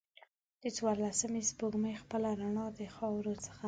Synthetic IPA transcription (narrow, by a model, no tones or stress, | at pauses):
d̪̥ət͡swɑɾlasəmespoɡməjxpəlaɾaɳɑd̪əxɑwɾot͡sə̥xa